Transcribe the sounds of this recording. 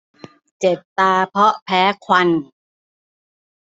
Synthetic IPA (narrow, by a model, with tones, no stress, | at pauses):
t͡ɕe˨˩p̪̚t̪aː˧pʰɔ˦˥pʰɛː˦˥kʰwa˧n